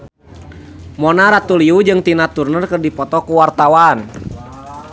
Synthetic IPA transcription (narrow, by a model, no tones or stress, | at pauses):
mɔnaɾat̪uliud͡ʒɨŋt̪inat̪urnərkɨrdipɔt̪ɔkuwart̪awan